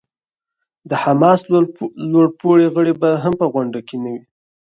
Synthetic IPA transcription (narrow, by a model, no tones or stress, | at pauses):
d̪əhamɑsloɽpoɽeɣəɽebaɦampəɣʊɳɖakenawi